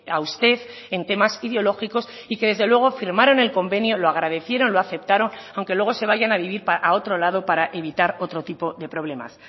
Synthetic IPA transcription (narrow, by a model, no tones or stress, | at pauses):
awst̪e̞θ | e̞nt̪e̞masiðeo̞lo̞xiko̞s | ike̞ðe̞zðelwe̞ɣ̞o̞fiɾmaɾo̞ne̞lko̞mbe̞njo̞loaɣ̞ɾaðe̞θje̞ɾo̞nloaθe̞p̚t̪aɾo̞nawŋke̞lwe̞ɣ̞o̞se̞β̞aʝanaβiβ̞iɾpaʔao̞t̪ɾo̞laðo̞paɾaʔe̞β̞it̪aɾo̞t̪ɾo̞t̪ipo̞ðe̞pɾo̞β̞le̞ma̰s